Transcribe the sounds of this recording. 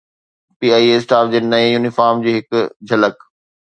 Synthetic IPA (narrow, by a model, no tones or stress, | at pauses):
piːaːieːsʈaːfd͡ʑeːnɐejuːnɪfaːɾmd͡ʑiːɦɪkd͡ʑʱɐlək